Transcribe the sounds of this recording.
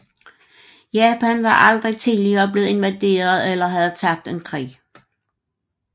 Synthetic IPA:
jɛːpʰænʋɑ̈ʔɑ̈ld̥ʁit͡sʰiðˠliɐːb̥le̝ːð̩ˠe̝nʋæd̥e̝̰ːɐð̞̩ˠelɐɦæð̩ˠt͡sʰɑ̈ɡ̥̚d̥e̝nkʰʁḭː

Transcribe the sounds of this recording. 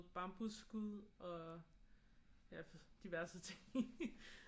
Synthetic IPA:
b̥ɑ̈mb̥usɡ̥uðˠɒ̽ | jæfd̥iʋæɐsət͡sʰe̝ŋ

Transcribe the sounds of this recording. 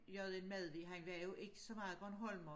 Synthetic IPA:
jɒðˠenmæðˠʋiɦænʋæɐjoʔe̝ɡ̥ə̥sɒ̽mɑ̈ːð̩ˠɡ̥ɒ̽nɦɒl̰mɒ

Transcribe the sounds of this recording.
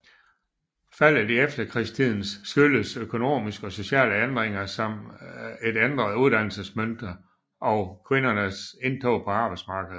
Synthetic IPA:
fæl̰ædiefd̥ɐkʰʁist͡sʰið̰ˠn̩sːɡ̥yləsøkʰo̝no̝̰ːmisɡ̥ɒ̽so̝ɕɛ̰ːləend̥ʁeŋ̰ɐsɒ̽me̝d̥end̥ʁɐð̩ˠuðˠd̥æn̰l̩səsmønd̥ɐ | ʔɒ̽ʊkʰʋe̝nɐnəse̝nt͡sʰɒʊpʰɒ̽ɑ̈ːb̥ɑ̈ɪ̥smɑ̈ːɡ̥əð̩ˠ

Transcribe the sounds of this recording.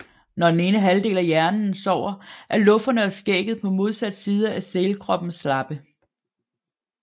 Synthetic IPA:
nɒd̥ene̝ːnəɦæld̥e̝̰ːlæjæɐnn̩sɒʊ̰ɐʔæɐlɔ̽fdɐnəɒsɡ̥eːɡ̥ð̩ˠpʰɒ̽mo̝ð̞ˠsæd̥siːð̞ˠɐæselkʰʁɒ̽b̥n̩slɑ̈b̥ə

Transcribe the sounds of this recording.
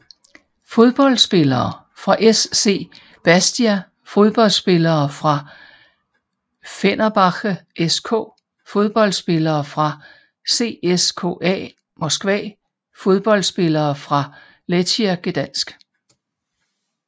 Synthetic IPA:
fo̝ð̞ˠb̥ɒ̽l̰̥sb̥e̝lɐː | fʁɑ̈ʔesːe̝̰ː | b̥æsd̥iæ | fo̝ð̞ˠb̥ɒ̽lsb̥e̝lɐːfʁɑ̈ | fenɐb̥ɑ̈ɡ̥ʔeskʰo̰̽ː | fo̝ð̞ˠb̥ɒ̽l̰dsb̥e̝lɐːfʁɑ̈ | se̝̰ːeskʰo̝̰ːɛ̰ː | mɒsɡ̥ʋɛ̰ː | fo̝ð̞ˠb̥ɒ̽l̰sb̥e̝lɐːfʁɑ̈ | let͡sʰiæɡ̥ed̥æn̰sɡ̥

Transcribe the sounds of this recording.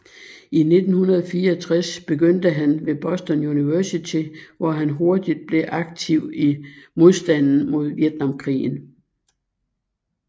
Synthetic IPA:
ine̝d̥n̩hunɐð̞ˠɒfiːɐɒt͡sʰʁasb̥e̝ɡ̥øn̰d̥əɦænʋe̝b̥ɒ̽sd̥ɒnjuniʋæɐsit͡sʰiʋɒɦænɦo̝ɐd̥id̥̚b̥le̝ʔɑ̈ɡ̥̚t͡sʰiʊ̰imo̝ð̞ˠsd̥æn̰n̩mo̝ð̞̰ˠʋjed̥nɑ̈mkʰʁḭːn̩

